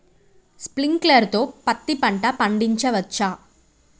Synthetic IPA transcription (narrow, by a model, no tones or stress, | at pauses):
spliŋkleːɾt̪oːpɐt̪ːipɐɳʈaːpɐɳɖiɲt͡ʃɐʋɐt͡ʃːaː